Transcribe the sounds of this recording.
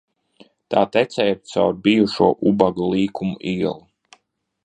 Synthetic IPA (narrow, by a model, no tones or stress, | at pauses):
t̪aːt̪ɛt̪sɛjɾt̪sa̰wɾbijuʃuɔʔubaɡalˠiːkʰumuʔiɛlˠu